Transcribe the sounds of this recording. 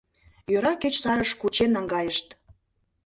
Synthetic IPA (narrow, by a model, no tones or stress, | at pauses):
jøɾɑket͡ɕsɑɾəʃkut͡ɕenːɑŋɡɑjəʃt̪